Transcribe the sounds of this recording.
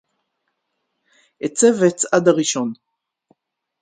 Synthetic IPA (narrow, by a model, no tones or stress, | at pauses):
ʔet͡se̞vet͡sad̪aʁiʃo̞n